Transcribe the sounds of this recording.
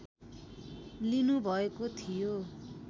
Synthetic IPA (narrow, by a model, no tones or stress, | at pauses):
linubʱʌekot̪ʰijo